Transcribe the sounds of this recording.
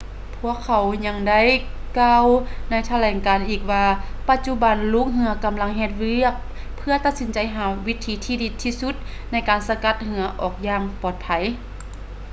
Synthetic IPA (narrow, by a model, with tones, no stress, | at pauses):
pʰu˧˥əkʰːa˨˩˦wɲa˧ŋda˥˨j | kaː˧wna˧˥jt̪ʰa˧lɛː˨˩ŋkaː˨˩nʔiː˨˩k̚waː˧pa˧t̪̚t͡ɕu˧˥ba˨˩nluː˧˥k̚ɦɯ˧˦ɐka˨˩mla˧˥ŋɦɛː˧t̪̚ʋɯ˧˩ək̚ | pʰːɯ˧ɐt̪a˧t̪̚si˨˦nt͡ɕa˨jɦaː˨˩˦wi˦˥t̪ʰːiː˨˧˦t̪ʰiː˧di˧˥t̪ʰːiː˧su˧˥t̪̚ | na˧˥jkaː˨˩nsa˧ka˧˥t̪̚hɯ˧˦ɐʔɔː˨˩k̚jaː˧ŋpɔː˨˩t̪̚pʰa˨˩j